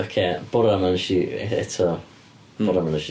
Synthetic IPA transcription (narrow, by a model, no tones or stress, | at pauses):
ɔkʰeːb̥ʊɾamanʃiɛ̰tʰɔ | bʊɾamanəʃi